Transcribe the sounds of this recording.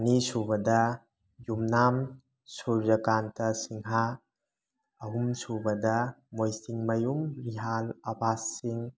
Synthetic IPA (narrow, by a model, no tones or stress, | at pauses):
nisubɐdɐ | jumnam | suɾd͡ʒɐkantʰɐsiŋɦa | ɐɦumsubɐdɐmojsiŋmɐjumɾiɦalɐbasːiŋ